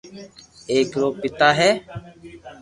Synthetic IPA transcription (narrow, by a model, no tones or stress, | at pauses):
eːkɾoːpɪt̪aːɦɛː